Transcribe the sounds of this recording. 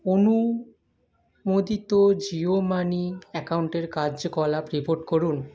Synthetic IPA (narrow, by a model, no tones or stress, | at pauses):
onu | mod̪it̪od͡ʑiomaniɛkauɳʈeɾkad͡ʑkɔlapɾipoɾʈkoɾun